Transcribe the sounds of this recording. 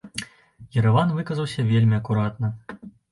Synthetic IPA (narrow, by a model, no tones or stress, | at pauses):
jɛɾɐvanvɨkɐzɐwsʲɐvʲelʲmʲiɐkuɾat̪nɐ